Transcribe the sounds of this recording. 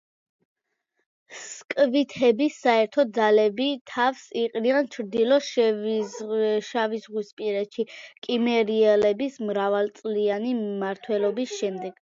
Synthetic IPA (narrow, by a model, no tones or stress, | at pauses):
skʼvit̪ʰɛbisːaɛɾt̪ʰɔd̪zalɛbit̪ʰafsiqʼniant͡ʃʰɾd̪ilɔʃ | ʃavizʁwispʼiɾɛt̪ʃikʼimɛɾiɛlɛbismɾavalˠt̪sʼlianimaɾt̪ʰwɛlɔbisʃɛmd̪ɛɡ̥